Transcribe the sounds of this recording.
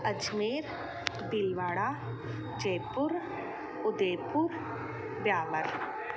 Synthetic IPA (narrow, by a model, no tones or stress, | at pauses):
əd͡ʒmeːɾ | d̪ɪlʋaːɽaː | d͡ʒeːpʊɾ | ʊd̪eːpʊɾ | bjaːʋəɾ